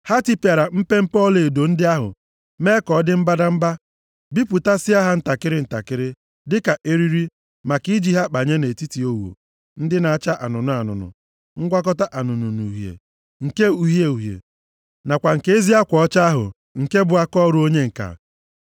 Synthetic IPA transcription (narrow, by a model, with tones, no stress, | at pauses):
ha˦ti˦pja˨ɾa˨m̩˦pe˦m̩˦pɔ˦le˨do˨n̩˦dɪ˦a˦ɦʊ̰˨ | me˦kɔ˨˦dɪ˦m̩˦ba˦da˦m̩˦ba˦ | bi˦pʊ˨ta˦sɪ˦a˦ɦa˦n̩˦ta˨kɪ˦ɾɪ˦n̩˨ta̰˨kɪ˦ɾɪ˦ | dɪ˦ka˨ʔe˦ɾi˦ɾi˦ | ma˨ki˦d͡ʒi˦ɦa˦k͡pa˨ɲe˦ne˨ti˦ti˨o˦wo̰˨ | n̩˦dɪ˦na˨a˨t͡ʃa˦ʔa˨nʊ˨nʊ˨a˨nʊ̰˨nʊ̰˨ | ŋ̩˦ɡʷa˦k̬ɔ˦ta˦ʔa˨nʊ˨nu˨nu˨ɦjḛ˨ | ŋ̩˨ke˦u˨ɦje˨u˨ɦjḛ˨ | na˨kʷa˨ŋ̩˨ke˦e˦zi˦a˦kʷɔ˨ɔ˦t͡ʃa˦a˦ɦʊ̰˨ | ŋ̩˨ke˦bʊ˨a˦kɔ˦ɾu˦o˦ɲe˦ŋ̩˨ka̰˨